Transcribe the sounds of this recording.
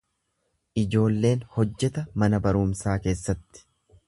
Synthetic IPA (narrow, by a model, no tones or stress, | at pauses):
ʔɪd͡ʒo̞ːlːe̞ːnhɔd͡ʒːɛt̪ɐmɐnɐbɐɾʊːmsaːke̞ːsːɐt̪ːɪ̥